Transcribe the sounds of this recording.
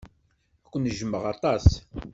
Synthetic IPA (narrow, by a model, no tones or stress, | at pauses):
ækʷːənʒəmːəʁɑt̪ˤɑs